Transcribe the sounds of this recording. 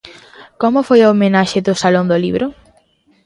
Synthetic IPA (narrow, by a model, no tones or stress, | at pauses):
komʊfojoomenaʃɪðʊsalõnd̪ʊliβɾʊ